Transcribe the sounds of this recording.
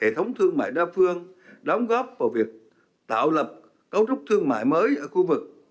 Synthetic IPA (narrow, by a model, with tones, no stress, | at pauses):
e˧˩t̪ʰə˨˦wŋ͡mt̪ʰɨ˧əŋma̰ː˧˨jɗaː˧fɨ˧əŋɗə˨˦wŋ͡mɣɔ˦˥p̚vaː˧˩vi˨˩ək̚ | t̪a̰ː˧˨wlə˨˩p̚ | kə˧˦wt͡ɕʊ˦˥k͡p̚t̪ʰɨ˧əŋma̰ː˧˨jməː˨˦jʔəː˧˩xu˧vɨ˨˩k̚